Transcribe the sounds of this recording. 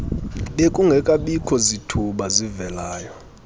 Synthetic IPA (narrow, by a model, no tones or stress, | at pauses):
ɓekʼuŋɡʱɛkʼaɓikʰɔzitʰuɓazivɛlaːjɔ